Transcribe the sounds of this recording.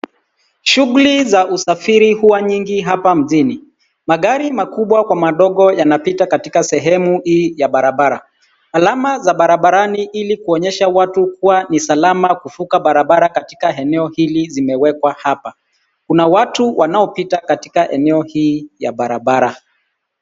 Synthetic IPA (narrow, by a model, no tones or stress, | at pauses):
ʃuɣulizaʔusafiɾihuwaɲiŋɡiɦapam̩ʄini | maɠaɾimakuɓwakwamaɗɔɠɔjanapitakatikasɛɦɛmuhiːjaɓaɾaɓaɾa | alamazaɓaɾaɓaɾaniʔilikuɔɲɛʃawatuk̚uwanisalamakufukaɓaɾaɓaɾakati̥kaɛnɛɔhilizimɛwɛkwahapa | kunawatuwʔanaɔpitakati̥kaʔɛnɛɔhiːja̰ɓaɾaɓaɾa